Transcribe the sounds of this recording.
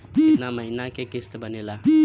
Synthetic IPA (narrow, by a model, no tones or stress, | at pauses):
naməɦinakekest̪ebʱənela